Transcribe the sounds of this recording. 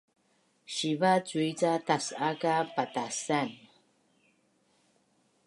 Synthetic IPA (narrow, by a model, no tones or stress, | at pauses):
ʃivat͡suit͡satasakapatasan